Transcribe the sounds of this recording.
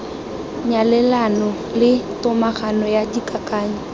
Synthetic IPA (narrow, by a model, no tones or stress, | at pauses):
ɲalɛlanɔ | lɪtʊmaχanɔjadikakaːɲa